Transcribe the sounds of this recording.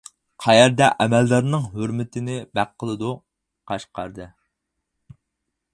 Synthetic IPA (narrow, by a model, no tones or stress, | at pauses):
qʰɑjɛɾd̪ɛʔɛmɛlːæɾnɨŋɦøɾmɪt̪ʰɪnɪbæqʰːəlˠɨd̪u | qʰɑʃqʰɑ̰ɾd̪ɨ